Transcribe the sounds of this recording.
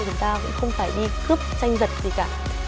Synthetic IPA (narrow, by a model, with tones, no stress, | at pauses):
t͡ɕʊ˨˩˦ŋ͡mt̪aː˧kʊ̰˧˥ŋ͡mxə˧wŋ͡mfaː˧˩jɗi˧kɨ˦˥əp̚t͡ɕa˧jŋ̟zə˨˩t̚zi˨˩kaː˧˩